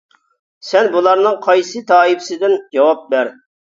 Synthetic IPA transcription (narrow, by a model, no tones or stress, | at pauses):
sɛnbulˠɑɾnɨŋqʰɑjsɨt̪ʰɑːipsɪd̪ɪnd͡ʒɑwɑp̚bæɾ